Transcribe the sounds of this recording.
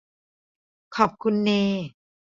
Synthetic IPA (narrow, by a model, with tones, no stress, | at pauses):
kʰɔː˨˩p̚kʰu˧nːeː˧